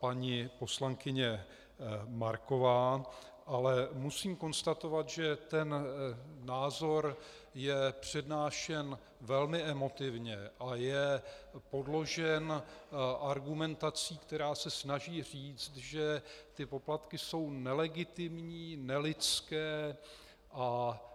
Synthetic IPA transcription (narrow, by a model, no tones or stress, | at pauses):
paɲipo̞slaŋkɪɲɛ | maɾko̞vaː | ʔalɛmusiːmko̞nst̪at̪o̞vat̪ʒɛt̪ɛn | naːzo̞ɾ | jɛpr̝̥ɛdnaːʃɛn | vɛlmɪɛmo̞t̪ɪvɲɛʔajɛpo̞dlo̞ʒɛnʔaɾɡumɛnt̪at͡siːkt̪ɛɾaːsɛsnaʒiːr̝iːt͡st̪ʒɛt̪ɪpo̞plat̪kɪso̞wnɛlɛɡɪt̪ɪmɲiːnɛlɪt͡skɛː | ʔa